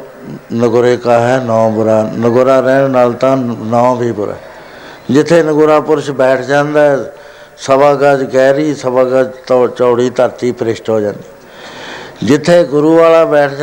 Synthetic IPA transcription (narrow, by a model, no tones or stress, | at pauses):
nəɡʊɾeːkaːɦɛːnãːbʊɾaːnəɡʊɾaːɾɛːnaːlt̪ãːnãːbʱiːbʊɾa̰ː | d͡ʒɪt̪ʰːeːnəɡʊɾaːpʊɾʃbɛːʈʰd͡ʒãːnd̪aː | səbaːɡəd͡ʒɡɛːɾiːsəbaːɡəd͡ʒt̪ːt͡ʃɔːɽiːt̪əɾt̪iːpɾɪʃʈɦoːd͡ʒãːnd̪iː | d͡ʒɪt̪ʰːeːɡʊɾuːʋaːlaːbɛːʈʰd͡ʒ